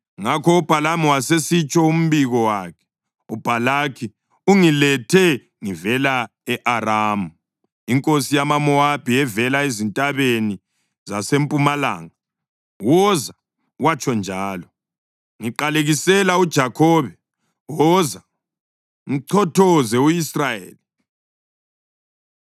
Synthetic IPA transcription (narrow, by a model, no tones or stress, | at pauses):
ŋakʰɔub̥ʱalamuwasesit͡ʃʼɔum̩βiɣɔwaːkʰɛ̥ | ub̥ʱalakʰi | uŋilɛtʰɛ | ŋivɛla | ɛʔaraːmu | iŋkʼosijamamɔab̥ʱiɛvɛlaezintʼaβeni | zasempʼumala̰ːŋa | wɔza | wat͡ʃʰʼɔnd͡ʒʱaːlɔ | ŋiǃaleɣisɛlaud̥ʒ̥ʱakʰɔːβɛ | wɔza | ŋiǀʰɔtʰɔzɛuisrajḛːli